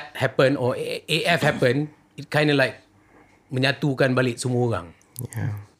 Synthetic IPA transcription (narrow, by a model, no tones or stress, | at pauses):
t̚hɛpə̃nɔeʔɛfhɛpə̃n | it̚kʰãj̃ndəlaɪk̚ | mə̃ɲãt̪ukãnbaliʔ̚sumuɣã̰ŋ